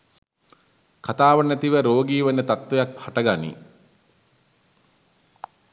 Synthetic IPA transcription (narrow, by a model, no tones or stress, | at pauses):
kat̪aːʋənæt̪iʋəɾoːɡiːʋənət̪at̪ʋejak̚haʈəɡanḭ